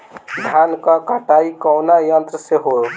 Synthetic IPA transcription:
d̪ʱankəkəʈaikɔwnajənt̪ɾəseɦo

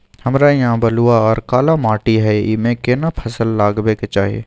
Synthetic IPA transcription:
hɐmɾajɐɦãbɐluaɔːɾkaːlamaːʈiɦɛimẽkeːnapʰɐsəlːaːɡbeket͡ʃaːɦiḛː

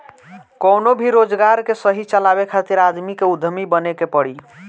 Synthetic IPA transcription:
konobʱiɾod͡ʒɡaɾkesəɦit͡ʃəlabekʰat̪iɾad̪mikeud̪ʱəmibənekepəɽi

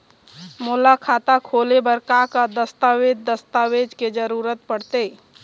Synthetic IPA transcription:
moːlakʰaːt̪akʰoːlebəɾkakad̪əst̪aweːd̪d̪əst̪aːweːd͡ʒked͡ʒəɾuːɾət̪̚pəɽt̪eː

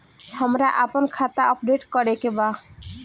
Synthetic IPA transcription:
həmɾaʔapənkʰat̪aʔɔpɖeʈkɔɾekeba

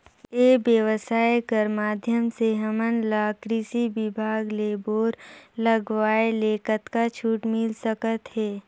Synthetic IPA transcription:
eːbjəʋəsaːekəɾmaːd̪ʱjəmseɦəmənlaːkɾisibɪbʱaːɡleːboːɾləɡʋaːeleːkət̪kat͡ʃʰuːʈmɪlsəkət̪ɦɛː

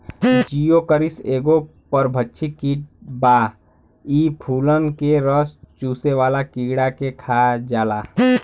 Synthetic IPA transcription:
t͡ʃijokəɾɪseːɡo | pəɾbʱətːʃʰikiːʈ̚baː | iːpʰuːlənkeɾəst͡ʃuːseʋaːlakiːɡɽakekʰaːd͡ʒaːlaː

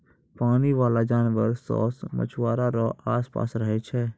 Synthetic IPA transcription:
paːniʋaːlad͡ʒaːnʋəɾsɔ̰ːsmə̰t͡ʃʰʋaːɾaɾoʔaːspa̰ːsɾəɦet͡ʃʰɛː

